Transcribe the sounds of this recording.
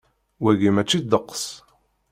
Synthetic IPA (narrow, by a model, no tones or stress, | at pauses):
wæɣimæt͡ʃːid̪əqːə̥s